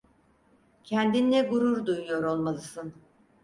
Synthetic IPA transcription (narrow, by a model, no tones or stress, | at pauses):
cʰænd̪inːɛɡuɾuɾd̪ujujo̞ɾo̞lˠmalˠɯsɯn